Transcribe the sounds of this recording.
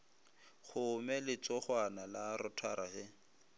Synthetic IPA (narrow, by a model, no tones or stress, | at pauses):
χʊmɛlɪt͡sɔχwanalaɾɔtʰaɾʔaɣɛ